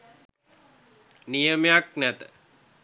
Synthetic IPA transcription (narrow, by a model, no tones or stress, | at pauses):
nijəmejaknæt̪ə̥